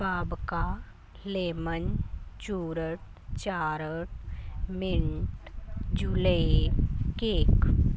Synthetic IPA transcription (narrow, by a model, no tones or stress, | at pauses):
baːbka | leːmənt͡ʃuːɾəʈ̚ | t͡ʃaːɾəʈmɪɳʈd͡ʒuːle | keːk